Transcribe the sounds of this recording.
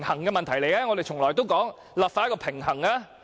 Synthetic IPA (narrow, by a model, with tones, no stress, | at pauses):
ŋhɐ˨˩ŋkɛ˧mɐ˨nt̪ʰɐ˨˩jle˨jɛː˦˥ŋɔ˨˧d̪e˨jt͡ʃʰʊ˨˩ŋlɔː˨˩jt̪o˥wkɔː˨˥ŋ | laː˨˩pfaː˧˥kɔ˧pʰɪ˨˩ŋɦɐ˨˩ŋaː˧